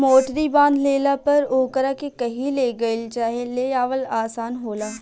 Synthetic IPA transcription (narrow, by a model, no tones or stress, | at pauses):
moːʈɾibãːnd̪leːlapɐɾoːkəɾakekɐɦĩleːɡɐɪlt͡ʃaːɦeleːaːʋəlaːsaːnɦoːlaː